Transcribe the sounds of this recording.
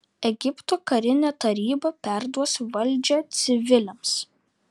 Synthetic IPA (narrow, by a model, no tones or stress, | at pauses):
ɛɡʲɪpt̪oːkɐɾʲɪnʲɛːt̪ɐɾʲiːbɐpʲæˑɾd̪uɔsʋɐlʲˑd͡ʒʲɛːt̪sʲɪʋʲɪlʲɛms